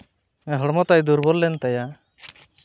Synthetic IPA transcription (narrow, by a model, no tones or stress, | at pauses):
ɛɦɔɽmɔt̪ajd̪uɾbɔllɛnt̪aja